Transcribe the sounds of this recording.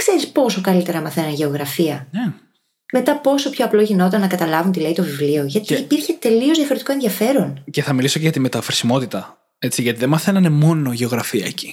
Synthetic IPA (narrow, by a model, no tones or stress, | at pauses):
kse̞ɾispo̞so̞kɐlit̪e̞ɾɐmɐθe̞nɐnʝe̞oɣɾɐfiɐe | me̞t̪ɐpo̞so̞pço̞ɐplo̞ʝino̞t̪ɐɐnːɐkɐt̪ɐlɐvunt̪ileit̪o̞vivlio̞ʝɐt̪iːpiɾçe̞t̪e̞liozðjɐfo̞ɾet̪iko̞enðiɐfe̞ɾo̞nce̞θɐmilisoceʝɐt̪imet̪ɐfɾisimo̞t̪it̪ɐ | e̞t͡siʝɐt̪iðemɐθenɐnemo̞no̞ʝe̞o̞ɣɾɐfiɐ̰eci̥